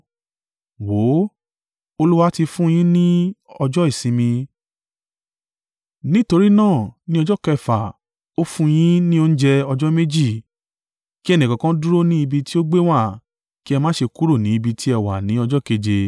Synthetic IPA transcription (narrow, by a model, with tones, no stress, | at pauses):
wo˨˦ | o˧lu˦wa˦ti˧fũ˦˧j̃ĩ˦nĩ˦ɔ˧d͡ʒɔ˦i˦˨sĩ˧˦mĩ˧ | nĩ˦to˧ɾi˦nãː˦˨nĩ˦ɔ˧d͡ʒɔ˦kɛ˧˨fa˨ | o˦fũ˦j̃ĩ˦nĩ˦o˧n̩˦d͡ʒɛ˧ɔ˧d͡ʒɔ˦me˦d͡ʒi˦˨ | ki˦ɛ˦˨nĩ˨kã˨kã˦du˦ɾo˦nĩ˦i˧bi˧ti˦o˦ɡ͡be˦w̃a˦˨ | ki˦ɛ˧mãː˦ʃe˧ku˦ɾo˦˨nĩ˨˦i˧bi˧tʰi˦ɛ˧˨wa˨nĩ˨˦ɔ˧d͡ʒɔ˦ke˧d͡ʒe˧